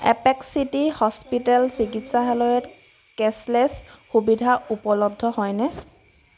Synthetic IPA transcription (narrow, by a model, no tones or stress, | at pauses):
ɛ̰pɛksitihɔspitɛlsikitsaɦɛlɔɛt | kɛslɛsxubidʱaupɔlɔdʱːɔhɔjnɛ